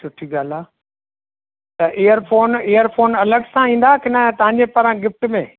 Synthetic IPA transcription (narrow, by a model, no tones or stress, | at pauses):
sʊʈʰiɡaːlaː | t̪ɐʔeːjəɾfʰoːneːjəɾfʰoːnɐləɡsãĩːn̆d̪akɪnət̪ɐ̃ɦãɲd͡ʑepɐɾãɡɪfʈmẽ